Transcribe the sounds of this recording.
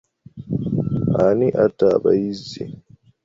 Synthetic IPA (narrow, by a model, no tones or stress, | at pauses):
aniʔatːabajizḭ